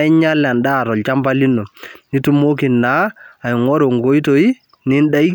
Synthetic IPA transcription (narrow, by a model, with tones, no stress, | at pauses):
ɪ˦ɲa˦la˨n˨da˦˨ɾɔ˨lt͡ʃa˦mba˦li˦nːo˨ni˦tu˦mo˦ki˨nːa˨˦a˨ɪ˨ŋɔ˦ɾo˨ŋɡo˦i˦to˨i˦ | nɪ˦n˦da˦i˦